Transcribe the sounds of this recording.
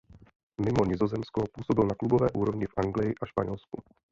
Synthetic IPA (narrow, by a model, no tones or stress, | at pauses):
mɪmo̞ɲɪzo̞zɛmskopuːsobɪlnaklubovɛːʔuːɾo̞vɲɪfʔaŋɡlɪjɪʔaʃpaɲɛlsku